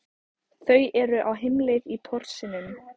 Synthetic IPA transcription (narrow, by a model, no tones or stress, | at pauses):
θœɥʔɛɾʏʔawɦɪmlɪðit̪ʰɔr̥sɪnʏm